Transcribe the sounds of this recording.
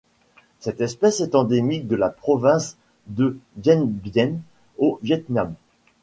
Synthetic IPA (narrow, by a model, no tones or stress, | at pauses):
sɛt̪ɛspɛsɛt̪ɑ̃d̪emik̚d̪əlapχɔvɛ̃s | d̪əvjɛnbjɛn | ovjɛt̪nam